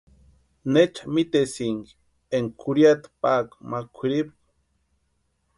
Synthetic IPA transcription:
net͡ʃḁmit̪esiŋɡ | eŋkʰuɾjat̪pakmakʷʰiɾip̚

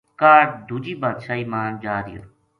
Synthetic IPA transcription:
kaːʈd̪ʱud͡ʒiːbɐd̪ʃaimaːnd͡ʒaːɾḭjə̰ɾ

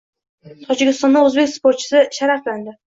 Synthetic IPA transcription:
t̪ʰɒd͡ʒɪkʲɪst̪ɒnd̪aɵzbe̞kʲspʰo̞ɾt̪̚t͡ʃʰɪ̥sɪʃaɾafland̪ɪ

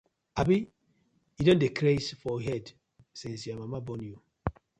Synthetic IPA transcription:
abi | idõndekɾesfɔɦɛd | sesjamamabɔ̃nju

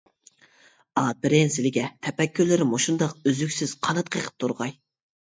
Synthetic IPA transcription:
ɑbɪɾɪnsɪlɪɡʲɛt̪ʰɛpɛkʲːylːɪɾɪmoʃund̪ɑqøzykʲsɪz̥qʰɑnɑt̪̚qʰəqʰə̥p̚t̪ʰuɾʁɑj

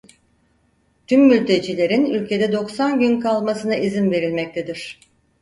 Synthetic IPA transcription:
t̪ʰymːylʲt̪ʰe̞d͡ʒilʲe̞ɾinylʲcʰe̞d̪ɛd̪o̞ksanɟynkʰalˠmasɯnaizinve̞ɾilʲmɛc̚t̪ʰed̪iɾ̝̥

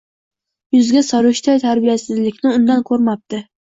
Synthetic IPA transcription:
jʊzɡʲasɒɾʊʃt̪ʰɒjt̪ʰaɾbijasɪzlɪkʲnɪʊnd̪ankʰɵɾmap̚t̪ɪ

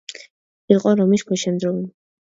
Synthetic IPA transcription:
iqʼɔɾɔmiʃkʷʰɛʃɛnd̪ɾɔwi

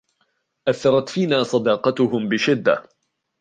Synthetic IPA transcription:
ʔaθːɑɾˤɑt̪fiːnaːsˤɑd̪ɑːqɑt̪ʊhʊmbɪʃɪd̪ːa̰

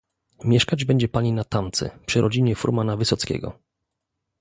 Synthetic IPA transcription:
mʲjɛʂkad͡ʑbɛɲd͡ʑɛpaɲinat̪amt̪sɛ̰pʂɘɾʔɔd͡ʑiɲɛfṵɾmanavɘsɔt̪skʲɛ̰ɡɔ̰

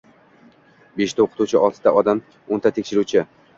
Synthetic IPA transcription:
beʃt̪aoqʰɨ̥t̪uwt͡ʃʰɪʔɒlˠt̪ʰɪd̪aʔɒd̪am | ont̪ʰat̪ʰekʲʃɪɾuwt͡ʃʰɪ

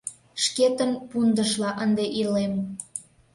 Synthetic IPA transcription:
ʃket̪ənpund̪əʃlɑʔənd̪eʔilem

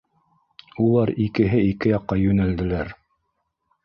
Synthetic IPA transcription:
ulˠɑɾikɘ̆ɦɘikɘjɑqːɑjɵ̆næld̪ɘ̆læɾ

